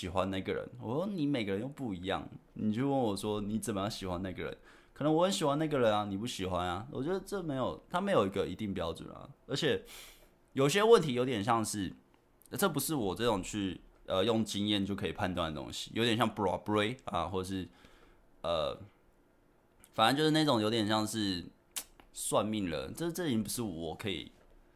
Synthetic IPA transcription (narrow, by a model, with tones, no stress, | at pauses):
ɕi˨˩xwa˦nna˥˩ɡə˩ɻə̰˧˦nwɔ˨˩t͡ɕɛ˥d̪ə˧ni˧˥me˨˩ɪɡə˦ɻə˧˦njo˥˧ʊpu˥˩i˧˥jɑ̰˥˩ŋni˨˩t͡ɕo˥˧ʊwə˥˩nwɔ˨˩ʂwɔ˦˥ni˨˦t͡sə˨˩nmə˦jɑ˥˩ŋɕi˨˩xwa˧˦na˥˩ɡə˩ɻə̰˧˦n | kʰə˨nə˧˦ŋwɔ˧˦xə˧˦nɕ̬i˨˩xwa˧˦na˥˩ɡə˩ɻə˧˦na˧ni˨˩pu˥˩ɕi˨˩xwa˦na˨˦wɔ̰˨˩t͡ɕɥɛ˧˥d̪ə˧ʈ͡ʂɤ˥˩me˧˥ɪjo˨˩ʊt̪ʰa˥me˧˥ɪjo˨˩ʊi˧˦ɡə˧i˧t̪i˥˩ŋpjɑ˥ʊʈ͡ʂwə̰˨˩na̰˨˩ə˧˥t͡ɕʰjɛ˨˩ | jo˨˩ʊi˥ɕjɛ˥wə˥˨nt̪ʰi˧˥jo˧˥t̪̬jɛ˨˩nɕ̬jɑ˥˧ŋʂɻ̩˥˩ | ʈ͡ʂɤ˥˩p̬u˧˦ʂɻ̩˥˩wɔ˨˩ʈ͡ʂɤ˥˩ʊ˨˩ŋt͡ɕʰy˥˩ | ʔə˧jʊ˥˩ŋt͡ɕi˦ŋjɛ˥˨nt͡ɕjo˥˩ʊkʰɤ˧˥i˨˩pʰa˥˧nt̪wa˥˩nd̪ə˩o̰˦˥ŋɕi̥̰˨jo̰˧˥t̪jɛ˨˩nɕjɑ˥˩ŋpɔ̰˨˥pɹe˥ɪa̰˨xwɔ˥˩ə˨˩ʂ̬ɻ̩˥˩ | ʔə̰˧ | fa˨na˧˦t͡ɕo˥˧ʊʂɻ̩˥na˥˧ʈ͡ʂʊ˨˩ŋjo˧ʊt̪jɛ˨˩nɕ̬jɑ˥˧ŋʂɻ̩˥˧ | swa˥˧nmi˥˩ŋlə̰˩ʈ͡ʂɤ˥˧ʂ̩˥˧ʈ͡ʂə˥˧˩i˧˥npu˧˦ʂɻ̩˥˩wɔ˨˩kʰɤ˧˥ḭ˨˩